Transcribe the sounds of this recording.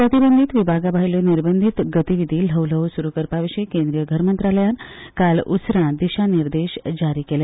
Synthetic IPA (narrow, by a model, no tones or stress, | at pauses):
pɾət̪ibənd̪ʱit̪ʋibʱaɡabaɦiljoniɾbənd̪ʱit̪ɡət̪iʋid̪ʱiːl̤əwləwsuɾukəɾpaʋiɕəjkẽnd̪ɾijəɡʱəɾmənt̪ɾaləjankalṵsɾãd̪iɕaniɾd̪eɕd͡ʑaɾiːkele